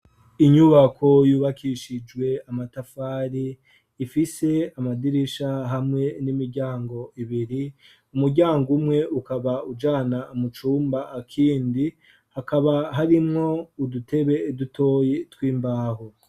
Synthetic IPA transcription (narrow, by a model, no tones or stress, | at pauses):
iɲuβakʰo̞juːβakʰiʃid͡ʒwe̞amatafaːɾiː | fise̞amadiɾiʃaɦamŋe̞nimiɾɟaːŋɡo̞iβiɾi | umuɾɟaːŋɡumŋe̞ukaβaud͡ʒaːnaumut͡ʃuːmbaʔakʰiːndi | hakaβaɦaɾimŋo̞udute̞βe̞dutʰo̞ːjetwiːmbaːɦo